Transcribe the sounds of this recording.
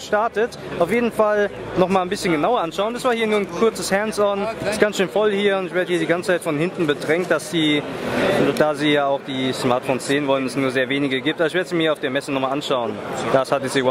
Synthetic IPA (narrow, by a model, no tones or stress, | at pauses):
ʃtaɐtət | ʔaʊfjeːdn̩fal | nɔχmaːlnbɪsçənɡənaʊɐʔanʃaʊəndasv̥aːɐhiːɐnuːɐnkʰʊɐt͡səshɛnsɔnɪsɡ̥ansʃøːnfɔlhiːɐʊntɪçv̥eɐdəhiɐdiːɡant͡sə̥t͡saɪtfɔnhɪntn̩bədʁɛŋkt̚d̥asz̥iː | d̥aːziːjaːaʊxd̥iːsmaɐtfoːnsz̥eːənvɔlənɛsnuːɐzeːɐveːnɪɡəɡiːp̚tʔabɐɪç̬veɐdəziːmiːiɐaʊfd̥eːɐmɛsənɔχmaːlʔanʃaʊənd̥ashatɛz̥iːwa